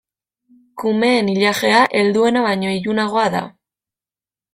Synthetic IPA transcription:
kume̞ːniʎaʃe̞aʔe̞ld̪ue̞naβaɲo̞ijunaɣ̞o̞aða̰

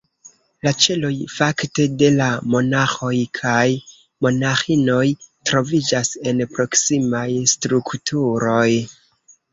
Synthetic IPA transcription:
lat͡ʃe̞lo̞jfakte̞de̞lamo̞naxo̞jkʰaj | mo̞naxino̞jtɾo̞vid͡ʒase̞npɾo̞ksimajstɾuktʰuɾo̞j

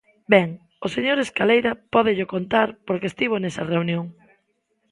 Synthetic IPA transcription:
bɛŋ | oseɲoɾeskalejɾɐpɔðɪʎokont̪aɾpoɾkest̪iβ̞onɛsɐreunjoŋ

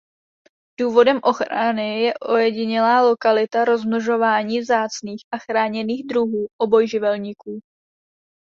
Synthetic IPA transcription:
d̥uːvo̞dɛmʔo̞xɾanɪjɛʔo̞jɛɟɪɲɛlaːlo̞kalɪt̪aɾo̞zmnoʒo̞vaːɲiːvzaːt͡sniːxʔaxɾaːɲɛniːɣd̪ɾuɦuːʔo̞bo̞jʒɪvɛlɲikuː

